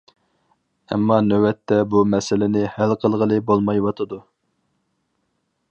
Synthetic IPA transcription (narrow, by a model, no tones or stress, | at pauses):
ɛ̰mːɑnøwɛt̪ʰːɛbumɛsɪlɪnɪhælqʰəlˠʁəlˠɨbolˠmɑjwɑt̪ʰɨd̪u